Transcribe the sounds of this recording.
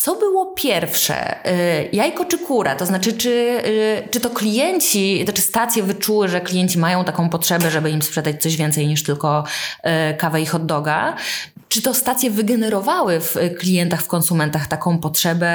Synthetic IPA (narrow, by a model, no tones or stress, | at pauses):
t̪ɔbɘwɔpʲjɛɾfʂɛ̰jajkɔt͡ʂɘkuɾa̰t̪ɔznat͡ʂɘt͡ʂɘ | t͡ʂɘt̪ɔklʲijɛɲt͡ɕinat͡ʂɨst̪at̪sʲjɛvɘt͡ʂuwɘʐɛklʲijɛɲt͡ɕimajɔ̃w̃t̪akɔ̃w̃pɔtʂɛbɛʐɛbɘimspʂɛd̪at͡ɕʲt̪sɔʑvʲɛnt̪sɛjɲiʂt̪ɘlkɔ | kavɛixɔd̪ːɔɡa | t͡ʂɘt̪ɔst̪at̪sʲjɛvɘɡɛnɛɾɔvawɘfklʲijɛnt̪axfkɔnsumɛnt̪axt̪akɔ̃w̃pɔtʂɛbɛ